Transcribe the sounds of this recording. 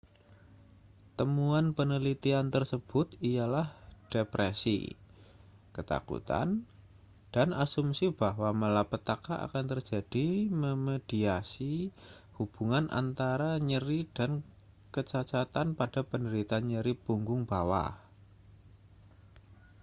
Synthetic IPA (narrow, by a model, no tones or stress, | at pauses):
t̪əmuanpənəlit̪iant̪ərsəb̥ʊt̪ijalahd̥epɾʔesḭ | kət̪a̰kṵt̪a̰n | d̥anasumsib̥aɦwaməlapət̪akaʔa̰kant̪ərd͡ʒad̥iməmed̥iasi | hub̥uŋanʔa̰nt̪aɾaɲəɾid̥an | kət͡ʃat͡ʃat̪anpad̥apəndəɾit̪anɲəɾipuŋɡʊŋbawa̰